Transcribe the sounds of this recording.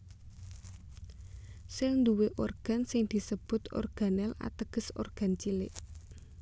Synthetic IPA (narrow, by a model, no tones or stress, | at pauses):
sɛlnd̪uweʔɔrɡ̥a̤nsɪŋd̪̥i̤səb̥ʊ̤t̪ɔ̰rɡ̥a̤nɛla̰t̪əɡ̥ə̤so̰rɡ̥a̤nt͡ʃilɪʔ